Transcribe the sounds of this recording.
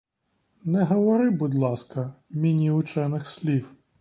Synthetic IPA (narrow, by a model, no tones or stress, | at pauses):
nɛɦɔʋɔɾɪbud̪lˠɑskɐmʲinʲiʊt͡ʃɛnɪxsʲlʲiw